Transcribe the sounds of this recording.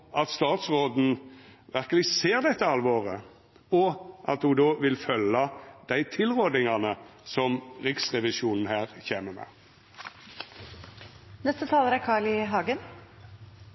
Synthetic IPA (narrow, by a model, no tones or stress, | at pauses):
ʔɑt̪st̪ɑːt̪sʁoːd̪n̩ʋæʁkəlɪseːʁd̪ɛt̪ːəɑlʋoːʁə | ɔʔɑt̪hʊd̪oːʋɪlfœlːɑd̪̥æɪt̪ʰɪlʁoːd̪ɪŋɑnəsɔmʁɪksʁɛʋɪsuːnn̩hæːʁçeːməmɛ̰ː | nɛst̪ət̪ʰɑːləɾækʰɑːɭɪɦɑːɡən